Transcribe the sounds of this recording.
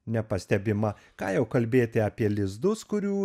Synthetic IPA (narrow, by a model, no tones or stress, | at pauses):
nʲɛpɐsʲt̪ʲɛbʲɪmɐ | kɑːjɛʊkɐlʲbʲeːt̪ʲɪɑːpʲiɛlʲɪzd̪ʊskʊɾʲuː